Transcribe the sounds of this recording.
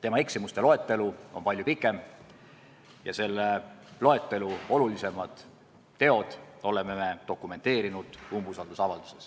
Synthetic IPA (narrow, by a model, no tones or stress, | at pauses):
t̪e̞mɑe̞ksimust̪e̞lo̞e̞t̪ːˑe̞luo̞mpɑlʲjupikːˑe̞m | jɑse̞lːelo̞e̞t̪ˑːe̞luo̞lulise̞mɑd̪̥ | t̪ːe̞o̞d̪̥o̞le̞meme̞t̪o̞kume̞nt̪e̞ːɾinud̪̥umbusɑld̪usɑvɑld̪̥u̥ses